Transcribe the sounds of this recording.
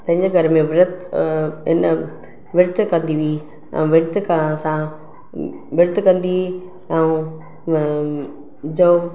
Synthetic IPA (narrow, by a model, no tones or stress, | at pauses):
t̪ɐ̃ɦɪ̃ɲd͡ʑeɡʱɐɾmẽʋɪɾət̪ | ɪn | ʋɪɾt̪ʰkɐ̃nd̪iʋiː | ɛ̰̃ũʋɪɾt̪ʰkə̃sã | ʋɪɾt̪ʰkɐ̃nd̪i | ɛ̃ũ | d͡ʑo